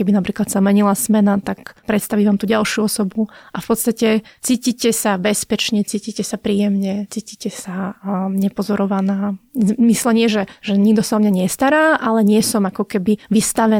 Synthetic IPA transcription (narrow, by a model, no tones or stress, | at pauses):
kɛbinapɾiːklat̪samɛɲilasmɛnat̪akpɾɛt̪st̪aʋiːʋaːmt̪uːɟalʃjuɔsɔbuʔafpɔt̪st̪acɛt͡siːciːcɛsabɛspɛt͡ʃɲɛt͡siːciːcɛsapɾiːjɛmɲɛt͡siːcicɛsaɲɛpɔzɔɾɔʋanaːmislɛɲɪɛʒɛʒ̥ɛɲiɡd̪ɔsaɔmɲaɲɪɛst̪aɾaːʔalɛɲɪɛsɔmakɔkɛbiʋist̪aʋɛ